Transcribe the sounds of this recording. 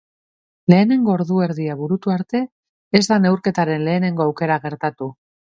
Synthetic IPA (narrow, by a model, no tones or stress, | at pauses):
le̞ːne̞ŋɡo̞ːɾðue̞ɾðiaβuɾut̪uaɾt̪e̞ː | zd̪ane̞wɾke̞t̪aɾe̞nle̞ːne̞ŋɡo̞awke̞ɾaɣe̞ɾt̪at̪u